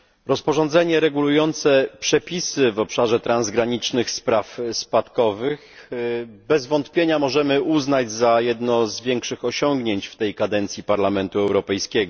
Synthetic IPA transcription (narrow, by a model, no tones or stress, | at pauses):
ɾɔspɔʐɔnd̪zɛɲɛɾɛɡulujɔnt̪sɛpʂɛpʲisɘvɔpʂaʐɛt̪ɾanzɡɾaɲit͡ʂnɘxspɾafspat̪kɔvɘx | bɛzvɔnt̪pʲjeɲamɔʐɛmɘʔuznad͡ʑzajɛd̪nɔzvʲjɛŋkʂɘxɔɕɔŋɡɲeɲt͡ɕft̪ɛjkad̪ɛnt̪sʲjipaɾlamɛnt̪uɛwɾɔpɛjskʲɛɡɔ